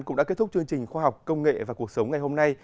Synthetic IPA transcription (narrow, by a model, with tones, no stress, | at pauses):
nkʊ̰˧˥ŋ͡mɗa̰˧˥kt̪ʊ˦˥k͡p̚t͡ɕɨ˧əŋt͡ɕï˨˩ŋ̟xwaː˧ɦa˨˩wk͡p̚kə˧wŋ͡mŋḛ˧˨vaː˨˩ku˨˩ək̚sə˨˦wŋ͡mŋa˨˩jho˧mna˧j